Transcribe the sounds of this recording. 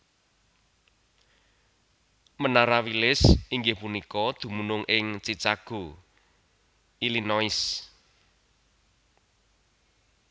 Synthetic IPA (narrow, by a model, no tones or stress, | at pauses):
mənaɾawilɪsiŋɡɪhpunikɔd̪̥ṳmunʊŋʔɪŋt͡ʃit͡ʃaɡ̥o̤ | ilinɔɪs